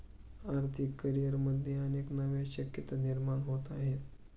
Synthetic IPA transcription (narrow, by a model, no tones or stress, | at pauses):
aɾt̪ʰikːəɾijəɾməd̪ʱjeəneknəʋeɕəkjət̪aniɾmaɳɦot̪aɦet̪